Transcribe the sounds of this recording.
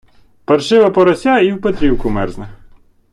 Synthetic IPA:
pɐrʃɪʋɐpɔɾɐsʲaiwpet̪ɾʲiwkʊmɛrznɐ

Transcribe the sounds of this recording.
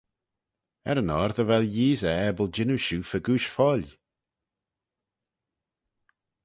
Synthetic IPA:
ɛ̰ɾənɔɾðəvɛljiːzəɛbəld͡ʒɪnuʃuːfəɡuːʃfɔl

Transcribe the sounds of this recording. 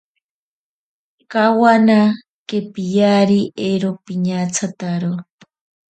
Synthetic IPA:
kawana | kepijaɾiʔeɾopiɲat͡sʰat̪aɾo

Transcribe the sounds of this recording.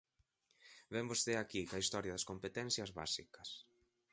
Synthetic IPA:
βembost̪eakikɐist̪ɔɾjɐðɐskompet̪ɛn̟θjɐzβa̰sikɐs

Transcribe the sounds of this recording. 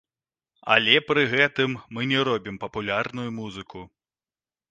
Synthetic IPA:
ɐ̰lʲɛpɾɨɣɛt̪ɨmːɨnʲɛɾɔbʲimpɐpulʲarnujumuzɨkʰu

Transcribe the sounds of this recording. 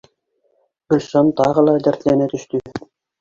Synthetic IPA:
bɵ̆lʲʃɑnt̪ɑʁɤ̆lˠɑd̪æɾt̪lænæt̪ɵ̆ʃt̪ɵ

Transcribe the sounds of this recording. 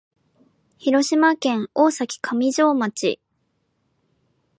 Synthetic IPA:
çiɾo̞ɕimakẽ̞ŋo̞ːsakʲi̥kʰamʲiʑo̞ːmat͡ɕḭ

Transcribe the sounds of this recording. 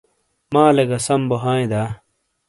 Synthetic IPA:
maːleɡɐsɐmboɦaːẽd̪aː

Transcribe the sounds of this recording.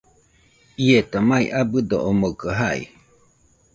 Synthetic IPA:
iet̪omaḭʔabɯd̪oʔomokəɦaḭ

